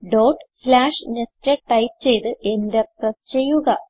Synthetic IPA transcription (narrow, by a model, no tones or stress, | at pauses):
ɖoːʈslaːʂnesʈeʈɐjp̚t͡ɕe̞jt̪ɨʔe̞nd̪eprɐst͡ɕe̞jːuɣɐ